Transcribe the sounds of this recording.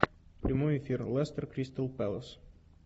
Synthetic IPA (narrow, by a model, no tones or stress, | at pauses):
pɾimoifiɾlɛst̪əɾkɾist̪əlˠpɛlˠəs